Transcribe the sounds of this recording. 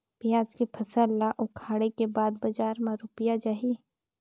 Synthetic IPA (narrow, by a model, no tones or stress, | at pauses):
b̥ɪjaːd͡ʒkipʰɐsəlːaʔʊkʰaːɽekebaːd̪̚bɐd͡ʒaːɾmãɾʊpjad͡ʒaːɦi